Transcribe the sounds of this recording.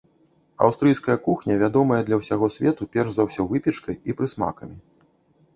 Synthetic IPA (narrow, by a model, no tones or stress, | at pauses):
ɐ̰wst̪ɾɨjskɐjɐkuxnʲɐvʲad̪ɔmɐjɐd̪lʲɐwsʲaɣɔsʲvʲɛt̪upʲɛrʐzawsʲɔvɨpʲɛt͡ʂkɐjipɾɨsma̰kɐmʲi